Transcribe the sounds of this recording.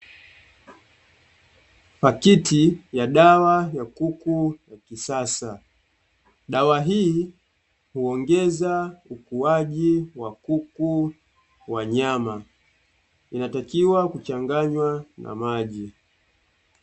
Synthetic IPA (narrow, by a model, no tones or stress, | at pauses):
fakitijaɗawajakukujakisasa | ɗawaɦiː | huɔŋɡɛzaukuaʄiwakuku | waɲama | inatakiwakut͡ʃaŋɡaɲwana̰maʄi